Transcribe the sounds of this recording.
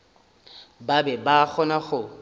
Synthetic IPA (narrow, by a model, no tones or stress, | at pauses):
babɛbak͡xʰɔnaχʊ